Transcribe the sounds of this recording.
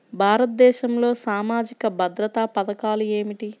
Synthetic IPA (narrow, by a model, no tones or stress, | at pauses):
bʱaːɾɐt̪̚d̪ɛːʃɐmlo̞ːsaːmaːd͡ʒikɐbʱɐd̪ɾɐt̪aːpɐd̪ɐkaːlue̞ːmiʈi